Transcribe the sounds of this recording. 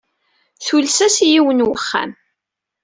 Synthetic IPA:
θulsæsjiwənwəχːa̰m

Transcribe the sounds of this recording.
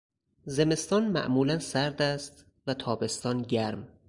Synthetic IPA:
ze̞me̞st̪ɒːnmæ̰ʔmuːlænsæɾd̪æst̪ | væt̪ʰɒːbe̞st̪ɒːnɟæɾm

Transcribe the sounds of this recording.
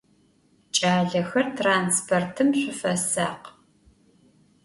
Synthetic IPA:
t͡ʃʼaːɮɐxɐrtʰraːnspʰortʰɨmɕʷʊfɐsaːq

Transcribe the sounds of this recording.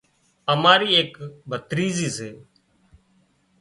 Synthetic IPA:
əmaːɾiːeːkbʱət̪ɾiːziːseː

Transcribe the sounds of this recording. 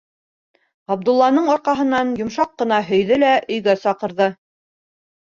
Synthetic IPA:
ɑbd̪ulˠːɑnɤɴɒɾqɑɦɤ̆nːɑnjŏmʃɑqːɤ̆nɑɦɵ̆jðɘlæʔɵ̆jɡæsɑqɤ̆ɾðɤ

